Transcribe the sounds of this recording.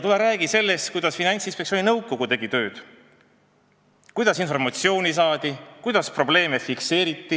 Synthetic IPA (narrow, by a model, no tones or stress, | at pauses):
t̪uleɾæːɡise̞lːest̪̚kujd̪̥ɑsfinɑnʲt̪sinspek̚sioːninɤwkːˑo̞ɡ̥ut̪e̞ɡ̥it̪ø̞ːd̪̥ | kujd̪̥ɑsinfo̞rmɑt̪sio̞ːnʲis̬ɑːd̪̥ikujd̪̥ɑspro̞ble̞ːmefikse̞ːɾit̪ːi